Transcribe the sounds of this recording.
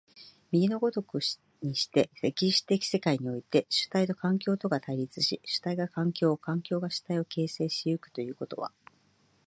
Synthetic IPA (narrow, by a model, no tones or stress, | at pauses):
mʲiɲʲino̞ɡo̞t̪o̞kɯ̟ | ɲ̟iɕi̥t̪e̞se̞kʲiɕi̥t̪e̞kʲi̥se̞kaiɲ̟io̞it̪e̞ɕɨ̥t̪ait̪o̞kãŋkʲo̞ːt̪o̞ɡat̪aiɾʲit͡sɨɕiɕɨ̥t̪aiɡakãŋkʲo̞ːkãŋkʲo̞ːɡaɕɨ̥t̪aio̞ke̞ːse̞ːɕijɯkɯ̟̥t̪o̞jɯ̟ːko̞t̪o̞̰β̞a̰